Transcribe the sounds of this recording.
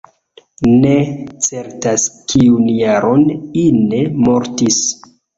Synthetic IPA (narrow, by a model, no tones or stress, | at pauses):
net͡se̞ɾtaskʰiunjaɾʔo̞nine̞mo̞ɾtis